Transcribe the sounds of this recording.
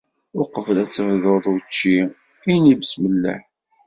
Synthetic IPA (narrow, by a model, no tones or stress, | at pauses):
ʊqəvəlæt͡sːəvðəðˤʊt͡ʃːi | ijnibəsməlːə̰ħ